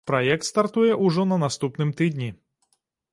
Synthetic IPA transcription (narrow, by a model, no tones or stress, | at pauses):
pɾɐjɛk̚t̪st̪art̪ujɛʔuʐɔnɐnast̪upnɨmt̪ɨd̪ʲnʲi